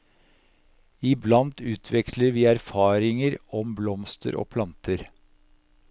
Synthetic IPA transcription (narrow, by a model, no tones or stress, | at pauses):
ɪblɑnt̪ʉːt̪ʰʋɛkləɾʋiːæɾfɑːɾɪŋəɾɔmblɔmst̪ʰə̰ɾʔo̰ːpʰlɑnt̪ʰəɾ